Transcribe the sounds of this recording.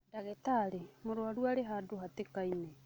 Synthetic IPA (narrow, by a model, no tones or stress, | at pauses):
daɣetaɾemoɾwaɾwaɾeɦadoɦatekaine